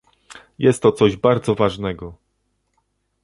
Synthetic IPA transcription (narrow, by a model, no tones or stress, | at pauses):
jɛst̪ːɔt̪sɔʑbaɾd̪zɔvaʐnɛɡɔ